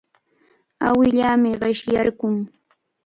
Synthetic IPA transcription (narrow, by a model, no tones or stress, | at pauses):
a̰wɪʎaːmɪɢɪʃjaɾɢʊŋ